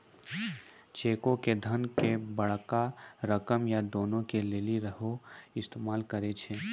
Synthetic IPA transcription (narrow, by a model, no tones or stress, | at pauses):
t͡ʃeːkõked̪ʱɐnkebɐɽkaɾɐkəmjad̪oːnõkeleːliɾəɦoɪst̪eːmaːlkəɾet͡ʃʰeː